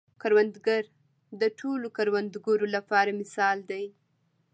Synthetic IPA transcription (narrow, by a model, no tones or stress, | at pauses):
kaɾwand̪ɡaɾ | d̪əʈʰolokaɾwand̪ɡaɾolapɑɾamɪsɑld̪aj